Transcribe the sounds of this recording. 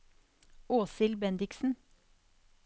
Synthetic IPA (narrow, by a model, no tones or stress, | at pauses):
oːsɪlbɛnd̪ɪksn̩